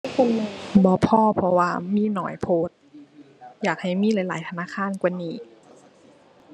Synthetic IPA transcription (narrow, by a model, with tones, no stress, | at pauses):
kʰo˧˨ŋbɔː˧˦pʰɔː˧˩pʰɔ˧waː˧miː˧˥˨nɔ̰ː˨˦jpʰoː˧˦˩t̪̚ | jaː˨˩k̚ha˨˩jmiː˧˥˨laː˨˦jlaː˨˦jt̪ʰnaː˧˥˨kʰaː˧˥˨nkwaː˧˨niː˧˩